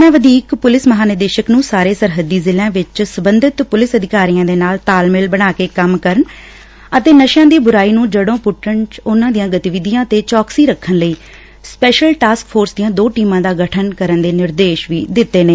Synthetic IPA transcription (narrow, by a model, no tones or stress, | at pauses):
mɛ̃ːʋəd̪iːkpʊlɪsməɦaːnɪɾd̪eːʃəknũːsaːɾeːsəɾɦəd̪ːiːzɪlãːʋɪt͡ʃsəbənd̪ɪt̪pʊlɪsəd̪ʱɪkaːɾijãːd̪eːnaːlt̪aːlmɪlbəɽ̃aːkeːkəmkəɾəɳ | ət̪eːnəʃjãːd̪iːbʊɾaːiːnũːd͡ʒəɽõːpʊʈʰːəɳt͡ʃʊnãːd̪ijãːɡət̪ɪʋɪd̪ijãːt̪eːt͡ʃɔːksiːɾəkʰːənləiː | spɛːʃəlʈaːskfʰoːɾsd̪ijãːd̪oːʈiːmãːd̪aːɡəʈʰənkəɾənd̪eːnɪɾd̪eːʃʋiːd̪ɪt̪ːeːnẽː